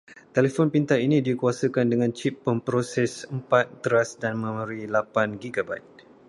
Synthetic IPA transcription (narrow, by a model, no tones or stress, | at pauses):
t̪elefɔnpint̪ainĩdikuasəkandəŋãnt͡ʃipːəmpɾosɛsəmpat̪̚ːəɾasdanmə̃məɾilapanɡiɡaba̰jt̪̚